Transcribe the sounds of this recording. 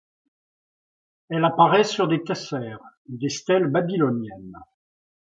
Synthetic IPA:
ɛlapaʁɛsyʁd̪ekasɛːʁ | d̪est̪ɛlbabilɔnjɛn

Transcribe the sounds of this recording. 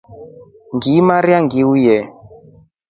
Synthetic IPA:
ŋɡimaɾiaŋɡiujɛ

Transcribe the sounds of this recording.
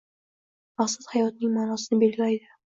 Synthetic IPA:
maqsat̪hajɒt̪̚nɪŋmaːnɒsɪnɪbe̞lɡʲɪlajd̪ɪ

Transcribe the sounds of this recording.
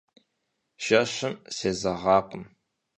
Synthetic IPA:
ʒ̥ɐɕɪmseːzɐʁɑːqʷəm

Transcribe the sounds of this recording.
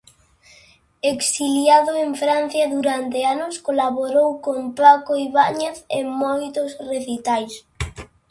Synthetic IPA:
eksiljaðoeɱfɾan̟θjaðuɾant̪eanoskolaβoɾowkompakoiβaɲeθḛŋmɔjt̪osreθit̪ajs

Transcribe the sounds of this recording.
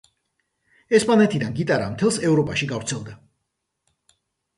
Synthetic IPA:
ɛspʼanɛt̪ʰid̪anɡit̪ʼaɾamt̪ʰɛlˠsɛvɾɔpʼaʃiɡavɾt̪sʰɛlˠd̪a

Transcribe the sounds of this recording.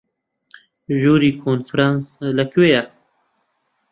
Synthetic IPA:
ʒuːɾiːkʰoːnfɾansləkʰweːja

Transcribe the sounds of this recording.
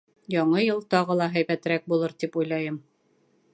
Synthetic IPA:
jɒɴɤjɤlˠt̪ɒʁɤlˠɑɦæjβæt̪ɘ̆ɾæk̚bulˠɤɾt̪ipujlˠɑjɤm

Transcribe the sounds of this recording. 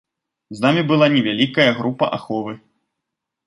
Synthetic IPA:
znamʲibɨlˠanʲɛvʲalʲikɐjɐɣɾupɐ̰ʔa̰xɔvɨ

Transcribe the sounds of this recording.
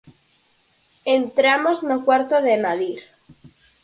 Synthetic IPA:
ent̪ɾamoznokwaɾt̪oðenaðiɾ

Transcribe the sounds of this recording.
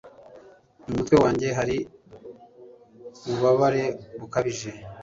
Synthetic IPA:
umutwe̞waːɲɟe̞ɦaɾi | uβaβaɾe̞βukaβiʒe̞

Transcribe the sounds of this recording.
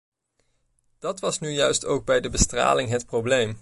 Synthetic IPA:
d̥ɑtʋɑsnyjœɥstowɡ̚bɛjdəbəstra̰ːlɪŋɦətprowblejm

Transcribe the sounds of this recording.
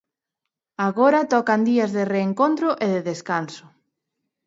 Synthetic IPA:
aɣoɾat̪ɔkand̪iɐzðɪreːŋkont̪ɾʊʔeðɪðeskansʊ̥

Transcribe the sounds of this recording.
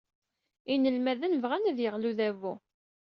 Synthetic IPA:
inəlmæðənvʁænæðjəʁluðævu

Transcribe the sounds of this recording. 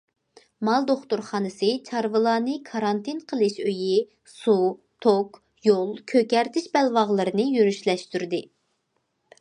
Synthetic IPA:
mɑlˠd̪oχt̪uɾχɑːnɨsɨt͡ʃʰɑɾvɨlˠɑːnɨkʰɑɾɑnt̪ʰɪnqʰəlˠɨʃøji | sut̪ʰok | jolˠkʲʰøkʲɛɾt̪ʰɪʃbɛlwɑʁlˠɨɾɨnɨjyɾyʃlɛʃt̪yɾd̪ɪ

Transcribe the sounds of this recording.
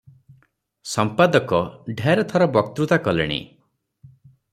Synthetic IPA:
sɔmpad̪ɔkɔɖʱaɾɔt̪ʰɔɾɔbɔkt̪ɾut̪akɔlḛɽ̃ḭ

